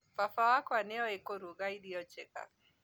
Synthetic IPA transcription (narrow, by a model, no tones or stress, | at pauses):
fafawakwanɛɔekoɾuɡaidiɔt͡ʃɛka̰